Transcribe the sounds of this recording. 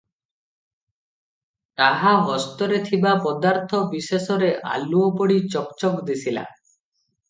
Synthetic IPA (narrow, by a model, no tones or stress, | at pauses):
t̪aɦaɦɔst̪ɔɾet̪ʰibapɔd̪aɾt̪ʰɔbisesɔɾeʔa̰luɔpɔɽit͡ʃɔkt͡ʃɔkd̪isʰila̰